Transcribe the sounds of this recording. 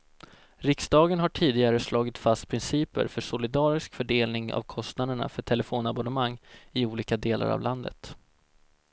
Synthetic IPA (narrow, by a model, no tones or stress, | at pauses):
ɾɪksd̪ɑːɡənɦaʈʰiːd̪ɪɡaɾəslʔɑːɡɪt̪fast̪̚pʰɾɪnsiːpə̰ɾfœʂʊlɪd̪ɑːɾɪskfœɖeːlnɪŋa̰vkʰɔst̪nad̪əɳa̰fœʈʰɛlɛfoːnabɔnəmaŋːɪuːliːkad̪eːla̰ɾa̰vland̪ə̰t̪